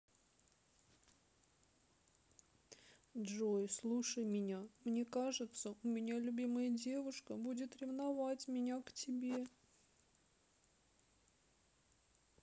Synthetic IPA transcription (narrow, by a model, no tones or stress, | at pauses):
dʐojslˠuʂəjmʲɪnʲamnʲe̞kaʐɨt̪səʊmʲɪnʲalʲʊbʲiməjədʲe̞vʊʂkəbudʲɪt̪ɾʲɪvnɐvatʲmʲɪnʲaktʲɪbʲe